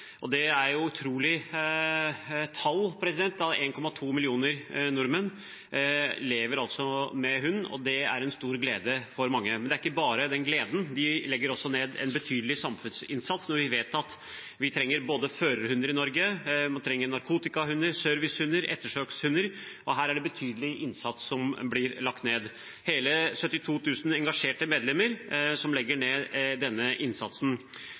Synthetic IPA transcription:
ʔɔd̪ɛæɾjʊʉt̪ʰɾuːlɪ | t̪ʰɑlːpʰɾɛsɪd̪ɛnt̪ːɑt̪eːnkʰɔmɑt̪ʰuːmɪlɪuːnəɾnʊɾmən | leːʋəɾɑlt̪sɔmɛɦʉnːɔ̰d̪ɛæ̰ɾɛnst̪uːɾɡleːd̪əfɔɾmɑŋːəmɛnd̪ɛæɾɪkːəbɑːɾəd̪ɛnɡleːd̪n̩d̪ɪlɛɡːəɾɔsːɔneːd̪ɛ̰nbət̪ʰyːd̪əlɪsɑmfʉnsɪnsɑt̪snɔɾʋɪʋeːt̪ɑt̪ | ʋɪt̪ʰɾɛŋːəɾboːd̪əføːɾəɾhʉnəɾɪnɔɾɡəmɑnt̪ʰɾɛŋːəɾnɑɾkʰuːt̪ɪkɑhʉnːəɾsœɾʋɪshʉnːəɾɛ̰t̪ːəʂøːkshʉnːəɾʔɔɦæːɾæɖɛbət̪ʰyːd̪əlɪʔɪnsɑt̪sːɔmblɪɾlɑkt̪neːd̪ | heːləsœt̪ːɪt̪ʰuːt̪ʰʉːsn̩ɛŋɡɑʂeːʈəmeːd̪lɛmːəɾsɔmlɛɡːəɳeːd̪ɛnːəʔɪnsɑt̪sn̩

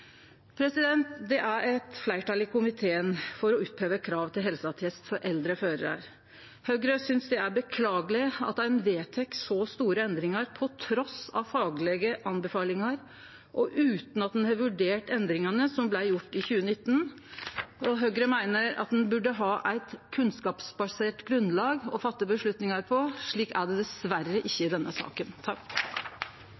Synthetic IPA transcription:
pʰɾɛsɪd̪ɛnt̪d̪ɛʔæɾɛt̪flæɪʈɑlɪkʊmɪt̪ʰeːənfɔɾɔʉːt̪̚pʰheːʋəkʰɾɑːʋt̪ʰɪlɦɛlsəɑt̪ʰɛst̪fɔɾʔɛld̪ɾəføːɾəɾə̰ɾ | hœɡɾəsʏnsd̪ɛæɾbəkʰlɑːɡəlɪɑ̰t̪̚d̪æɾɛnʋeːt̪ʰɛksɔst̪uːɾəɛnd̪ɾɪŋɑɾpʰɔt̪ʰɾɔsɑ̰fɑːɡlɛɡəʔɑnbəfɑːlɪŋɑɾ | ʔɔʔʉːt̪n̩ɑt̪d̪ɛnhɑʋʉɖeːʈɛnd̪ɾɪŋɑnəsɔmblæɪjʊʈːɪçʉːənɪt̪ːn̩ | ɔɦœɡɾəmæɪnəɾɑ̰t̪̚d̪ɛnbʉɖəɦɑːʔæɪt̪kʰʉnskɑːpsbɑseːʈɡɾʉnlɑːɡɔfɑt̪ːəbəʂɭʉt̪nɪŋɑɾpʰɔʂɭiːkæɖɛd̪ɛsʋærəʔɪçːəɪd̪ɛnːəsɑ̰ːkənt̪ʰɑk

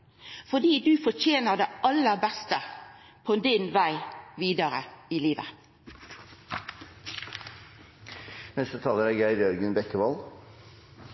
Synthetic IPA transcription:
fɔɖ̪iːd̪ʉːfɔt͡ʃeːnəd̪ɛɑlːəbɛst̪ə | pʰɔd̪ɪnʋæɪʋiːd̪əɾəɪliːʋə̰ | nɛst̪ət̪ʰɑːləɾæɡæɪɾjœɾɡənbɛkːəʋɔl

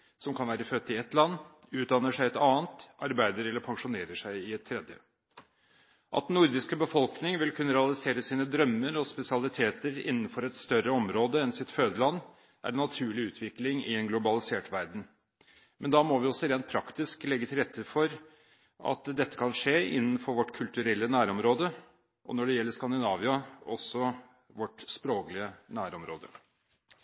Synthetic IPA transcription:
sɔmkʰɑnʋæːɾəfœt̪ːɪɛt̪ːlɑnː | ʉːt̪̚d̪ɑnːəʂæɪɛt̪ɑːnt̪ʔɑɾbæɪd̪əɾɛlːəɾpʰɑŋʂʊneːɾəʂæɪɪɛt̪ʰːɾɛd̪jə̰ | ʔɑ̰t̪d̪nːʊɾd̪ɪskəbəfɔlknɪŋʋɪlkʰʉnːəɾɛɑlɪseːɾəsiːnəd̪ɾœmːəɾɔspɛsɪɑlɪt̪ʰeːt̪əɾɪ̰nːənfɔɾɛt̪st̪œɾəɔmɾoːd̪əɛnsɪt̪føːd̪əlɑnː | ʔæ̰ɾɛnːɑt̪ʰʉːɭɪʉːt̪ʰʋɪklɪŋɪ̰ɛnɡlʊbɑlɪseːʈʋæɾɖɳ̩ | mɛnd̪ɑmɔʋɪɔsːɔɾeːnt̪̚pʰɾɑkt̪ɪsklɛɡːət̪ʰɪlɾɛt̪ʰːəfɔɾ | ʔɑ̰t̪d̪ɛt̪ːə̥kʰɑnʂeːɪ̰nːn̩fɔɾʋɔʈːkʰʉlt̪ʉɾɛlːənæːɾɔmɾoːd̪ə | ʔɔ̰nɔɖɛjɛlːəɾskɑnd̪ɪnɑːʋɪɑɔ̰sːɔ | ʋɔʈspɾoːklɪənæːɾɔmɾoːd̪ə

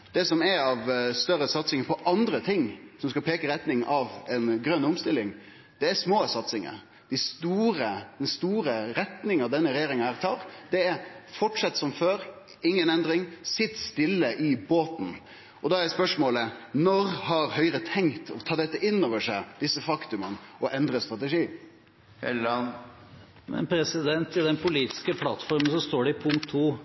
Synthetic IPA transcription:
d̪̥ɛsɔmɛɾɑʋst̪œɾːəsɑt̪sɪŋəpʰɔʔɑnd̪ɾət̪ʰɪŋːsɔmskɑlpʰeːkəɾɛt̪nɪŋʔɑʋɛnɡɾœnːʊmst̪ɪlːɪŋ | d̪̥ɛæsmoːsɑt̪sɪŋə̰ə̰ | d̪̥æɪst̪uːɾəd̪ɛnst̪uːɾəɾɛt̪nɪŋɑʋd̪ɛnːəɾɛjeːɾɪŋɑhæɾt̪ʰɑːɾd̪̥ɛæɾfɔʈʂɑt̪ːsɔmføːɾ | ɪŋːənɛnd̪ɾɪŋsɪt̪st̪ɪlːəʔɪboːt̪n̩ | ʔɔd̪ɑːæɾɛspœʂmoːlənɔɾhɑɾhœʏɾət̪ʰɛŋt̪ʰɔt̪ʰɑːd̪ɛt̪ːəʔɪnːoːʋəʂæɪd̪ɪsːəfɑkt̪ʉmənɔʔɛnd̪ɾəst̪ɾɑt̪ɛʂiː | ɛlɑn | mɛ̰npʰɾɛsɪd̪ɛnt̪ɪd̪ɛnpʰʊliːt̪ɪ̥skəpʰlɑt̪fɔɾmənsɔst̪oːɖɪpʰʊŋkt̪ʰːuː

